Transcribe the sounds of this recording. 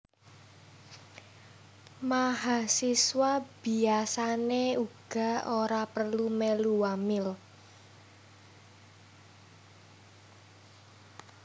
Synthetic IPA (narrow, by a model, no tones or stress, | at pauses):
maɦasiswab̥i̤asaneuɡ̥a̤oɾapərlumeluwamɪl